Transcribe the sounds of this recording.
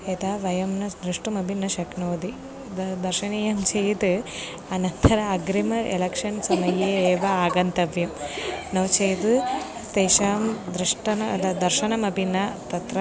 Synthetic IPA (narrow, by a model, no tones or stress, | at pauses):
et̪aːʋɐjɐmnɐd̪ɾiʂʈumɐbʱinːɐʃɐknoːd̪i | d̪ɐɾʃɐniːjɐmt͡ʃʰejt̪ɨ | ɐnɐnt̪ʰɐɾɐɐɡɾimɐḛlɐkʂɐnsɐmɐjeːeːʋɐaːɡɐnt̪ɐʋjɐmnɐʋt͡ʃejt̪ust̪eːʃaːmd̪ɾiʂʈɐnɐd̪ɐd̪ɐɾʃɐnɐmɐbʱinːɐt̪ɐt̪ɾɐ